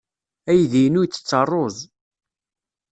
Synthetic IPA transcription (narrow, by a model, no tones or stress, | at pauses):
æjðinujt͡sːə̥t͡sːərˤːozˤ